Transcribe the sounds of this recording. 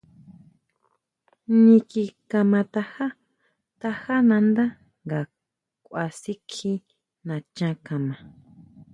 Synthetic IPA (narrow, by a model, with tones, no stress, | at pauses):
ɲĩ˧ki˧kã˧mã˧t̪a˧ha˦ | t̪a˧ha˦nã˧nd̪a˦ | ŋɡa˨ | kʷa˧si˦kʰi˦ | nã˨t͡ʃã˧˦kã˨mã˨